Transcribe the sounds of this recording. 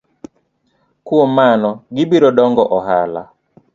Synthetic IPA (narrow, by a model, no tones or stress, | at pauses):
kuɔmanɔɡɪbiɾɔdɔŋɡɔʔɔɦa̰la̰